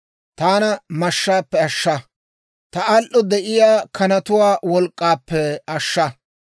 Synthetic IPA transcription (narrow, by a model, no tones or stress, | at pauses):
t̪aːnɐmɐʃːaːpːɛɐʃːɐ | t̪ɐɐlʔɔd̪ɛʔɪjaːkʰɐnɐt̪ʊwaːwɔlkʼːaːpːɛɐʃːɐ